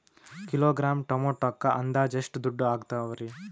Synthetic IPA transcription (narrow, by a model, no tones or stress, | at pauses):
kiloːɡɾaːmʈomoʈɔkːɐʔɐnd̪aːd͡ʒeʂʈud̪uɖːuaːɡt̪aʋɐɾi